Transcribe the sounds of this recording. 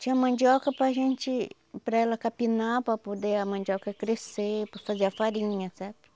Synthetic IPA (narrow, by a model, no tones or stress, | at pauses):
t͡ʃĩɐmɐ̃nd͡ʒɔkɐpɾaʒẽnt͡ʃɪ | pɾaɛlɐkapinapɾapod̪eɐmɐ̃nd͡ʒɔkɐkɾesepafazeɐfaɾĩɲɐsɛɾt̪ʊ̥